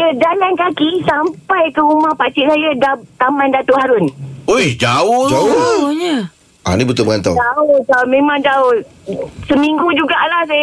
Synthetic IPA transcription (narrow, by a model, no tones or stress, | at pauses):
ədanankakisampajkəɾumahpat͡ʃɪʔsajadat̪amandat̪oʔhaɾʊnojd͡ʒawʊd͡ʒaɲə | ʔa̰nĩbət̪ʊbəŋant̪awt̪aot̪aomẽmãŋt̪aʊ | səmiŋɡud͡ʒuɡaʔlahs̬aj